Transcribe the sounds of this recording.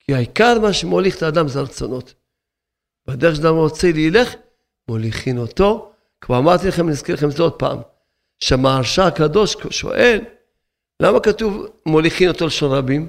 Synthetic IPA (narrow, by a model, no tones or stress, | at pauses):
kʰiaikaʁmaʃemoliχt̪aːd̪amzeʁt͡sono̞t̪ | bad̪eʃ̬ad̪amʁot͡seliːleχ | moliχinot̪o̞ | kvaamaʁt̪ilaχemnizkilaχemzeod̪̚pa̰ːm | ʃeamaːʁʃakado̞ʃʃo̞̰ʔe̞lː | amakatuvmoliχinot̪o̞leʃo̞nʁabim